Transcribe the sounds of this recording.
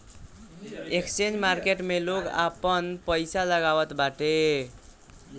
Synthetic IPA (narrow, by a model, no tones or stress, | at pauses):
ekst͡ʃend͡ʒmaɾkeʈmeloka̰pənpəjsaləɡaʋət̪baʈe